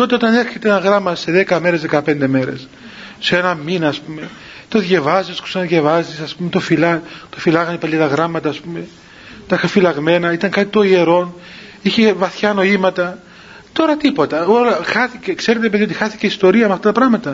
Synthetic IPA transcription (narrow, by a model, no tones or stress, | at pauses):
t̪o̞t̪eo̞t̪ɐneɾçe̞t̪eenɐɣɾɐmɐse̞ðe̞kɐme̞ɾe̞zðe̞kɐpe̞nd̪e̞me̞ɾe̞̰s | senɐminɐːspume̞ | t̪o̞ðʝevɐzisku̥senðʝevɐzisɐspumet̪o̞filɐt̪ofilɐɣɐnipɐlɐt̪ɐɣɾɐmɐt̪ɐːspume̞ | t̪ɐixɐfilɐɣme̞nɐit̪ɐŋkɐt̪i̥t̪o̞ie̞ɾo̞n | içe̞vɐθçɐno̞imɐt̪ɐ | t̪o̞ɾɐt̪ipo̞t̪ɐo̞lɐxɐθice̞kseɾit̪eɾepeðiot̪ixɐθi̥ceist̪o̞ɾiɐmeɐft̪ɐt̪ɐpɾɐɣmɐt̪ɐ